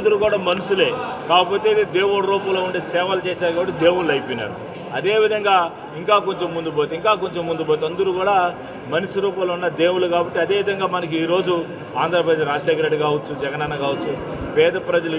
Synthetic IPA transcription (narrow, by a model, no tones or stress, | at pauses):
nd̪ɐɾuːkuːɽaːmɐnusule̞ːkaːkɐpo̞ːt̪e̞id̪id̪eːwuɽɐɾuːpɐloːuɳɖeːsɛːʋɐlɐt͡ʃɛːsaːɾkaːbɐʈːid̪e̞ːwuɽɐjipojnːa̰ːɾu | ɐd̪e̞ːʋid̪ʱɐŋɡaː | iŋkaːko̞ɲt͡ʃemːund̪ubojt̪eiŋkaːk̬o̞ɲt͡ʃemːund̪uboːjt̪ɐnd̪ɐɾuːkuːɽaː | mɐnisuɾuːpɐlunːɐd̪e̞ːwuluɡaːbɐʈːiɐd̪eːʋid̪ʱɐŋɡaːmɐnɐk̬uiːɾo̞ːd͡ʒu | aːnd̪ʱɾɐpɾɐd̪eːʃɾaːʃeːkɾeʈikaːʋɐt͡ʃːud͡ʒɛɡɐnɐnɐkaːʋɐt͡ʃːupɛːd̪ɐpɾɐd͡ʒɐlu